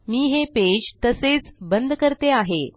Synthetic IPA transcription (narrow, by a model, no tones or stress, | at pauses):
miːɦeped͡ʑt̪əset͡sbənd̪ʱkəɾt̪eaɦe